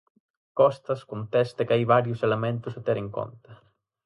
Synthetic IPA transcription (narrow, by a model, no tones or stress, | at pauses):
kɔst̪ɐskont̪ɛst̪ɐkajβaɾjʊselemẽnt̪ʊsɐt̪ɛɾeŋko̰nt̪ɐ